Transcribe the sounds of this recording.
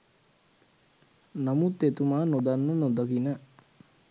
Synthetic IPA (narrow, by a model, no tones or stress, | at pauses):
namut̪ːet̪umaːnod̪anːənod̪ɐkinə